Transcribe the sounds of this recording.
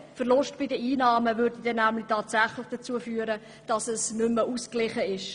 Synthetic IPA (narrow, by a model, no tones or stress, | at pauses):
fəʁlʊʃtb̥idəiːnɑːməvʏɾdidɛnːæmlɪtʰɑːtsæχlɪχd̥ət͡suəfyːəɾə | d̥ɑsəsnʏməʔuːsklɪχəɪʃ